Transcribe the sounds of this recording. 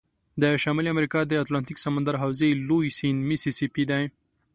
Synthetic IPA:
d̪əʃɑmiliamɾikɑd̪əaːt̪lɑnt̪iksamand̪aɾɦawzelojsinmisisipid̪aj

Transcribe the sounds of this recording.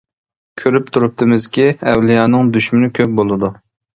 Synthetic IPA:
kʲʰøɾyp̚t̪ʰuɾup̚t̪ʰɪmɪzkʲiɛwlijɑːnɨŋd̪yʃmɪnɪkʲʰøp̚bolˠɨd̪u

